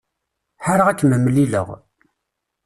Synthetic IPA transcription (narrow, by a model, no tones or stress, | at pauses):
ħaɾaʁækːməmːlilə̰ʁ